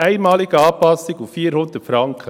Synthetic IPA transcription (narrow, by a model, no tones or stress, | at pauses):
æɪmɑːlɪɡ̥əɑːpɑsɪɡuffiːɾhʊnd̥̪ətfɾɑŋkʰə